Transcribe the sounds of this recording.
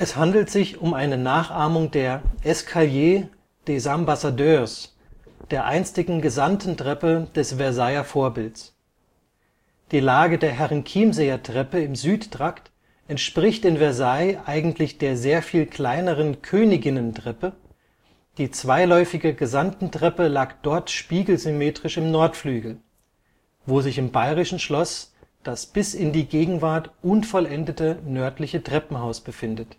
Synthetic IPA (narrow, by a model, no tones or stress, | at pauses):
ʔɛshandl̩tz̥ɪçʊmʔaɪnənaːχʔaɐmʊŋdeːɐʔɛskʰaljeː | d̥eːzambasadøːs | d̥eːɐʔa̰ɪnt͡stɪɡŋ̩ɡəzantn̩tʁ̥ɛpəd̥ɛsv̥ɛɐzaɪɐfoːɐbɪlts | d̥iːlaːɡədeːɐɦɛʁənkʰiːmzeːɐtʁ̥ɛpəɪmzyːttʁ̥akt | ʔɛntʃpʁ̥ɪçtɪnvɛɐzaɪʔaɪɡŋ̩tʰlɪçd̥eːɐzeːɐfiːlkl̥aɪnəʁ̞ənkʰøːnɪɡɪnəntʁ̥ɛpə | d̥iːt͡sv̥aɪlɔʏfɪɡəɡəzantn̩tʁ̥ɛpəlaːkd̥ɔɐtʃpiːɡl̩zymeːtʁ̥ɪʃɪmnɔɐtflyːɡl̩ | voːzɪçɪmbaɪʁɪʃn̩ʃlɔsd̥asb̥ɪsɪndiːɡeːɡŋ̩vaɐtʔʊnfɔlʔɛndətənœɐtlɪçətʁ̥ɛpm̩haʊsb̥əfɪndət